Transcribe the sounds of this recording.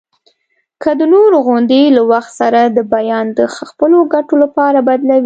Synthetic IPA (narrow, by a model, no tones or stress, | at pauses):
kʰəd̪ənoɾoɣʊnd̪elawaxt̪saɾad̪əbajɑnd̪əxaxpəloɡaʈolapɑɾabad̪lawi